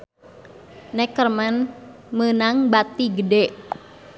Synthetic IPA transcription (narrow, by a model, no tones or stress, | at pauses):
nɛkːərman | mənaŋbat̪iɡədɛʔ